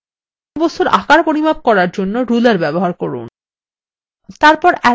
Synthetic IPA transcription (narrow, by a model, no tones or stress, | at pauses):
bost̪uɾa̰kaɾpoɾibʱab̚kɔɾaɾd͡ʑonːoɾulaɾbɛboɦaɾkɔɾṵn | t̪aɾpɔɾɛ